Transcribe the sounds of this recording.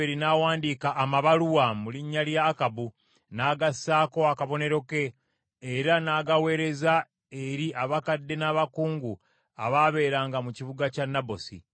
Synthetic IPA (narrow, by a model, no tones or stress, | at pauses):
eɾinaːwaːndikaʔːmaβaluwamuliɲːaljaːkabu | naːɡasaːko̞akaβo̞ne̞ɾo̞ke̞ː | ɾanaːɡawe̞ːɾe̞za | eɾiʔaβakadːe̞naβakuːŋɡu | aβaβe̞ːɾaːŋɡamuciβuɡacanːabo̞sḭ